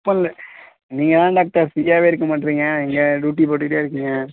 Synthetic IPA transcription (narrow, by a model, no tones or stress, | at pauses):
pːɐ̃nl | niːŋɡɐt̪ãːɖaːk̚ʈɐɾsijaːʋeɪɾɯkːɐmaːʈːɪɾiːŋɡɐɛŋɡɐɖuːʈːipoːʈːɯkʈːeːɪɾɯkːɯŋɡɐ